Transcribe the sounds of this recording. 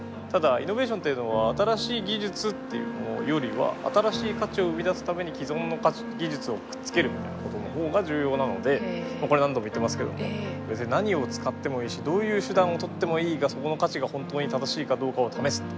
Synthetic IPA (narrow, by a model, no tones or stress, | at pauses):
t̪ad̪aino̞be̞ːɕ̬ont̪e̞jɯ̟no̞β̞aːt̪aɾaɕiːɡʲiʑɨt͡sɨt̪ːe̞jɯ̰ːmono̰jo̞ɾʲiβa̰a̰t̪aɾaɕiːkat͡ɕio̞ɯ̟mʲid̪asɨ̥t̪ame̞ɲ̟ikʲizõ̞nːo̞kat͡ɕi̥ɡʲiʑɨt͡sɨo̞kɯ̟̥tt͡sɨ̥ke̞ɾɯ̟mʲit̪a̰jna̰ko̞t̪o̞no̞ho̞ːɡaʑɨːjo̞ːnano̞̰d̪e̞mako̞ɾe̞nãnd̪o̞moit̪ːemasɨ̥ke̞̰d̪o̞̰mo̞̰ | besnaɲ̟io̞t͡sɨ̥kat̪ːe̞mo̞iːɕid̪o̞ːjɯ̟ːɕɨd̪ãɰ̃o̞t̪o̞t̪ːe̞mo̞iːɡaso̞ko̞no̞kat͡ɕiɡahõ̞nt̪o̞ːɲ̟it̪ad̪aɕiːkad̪o̞ːkao̞t̪ʰame̞sɨ̥t̪ː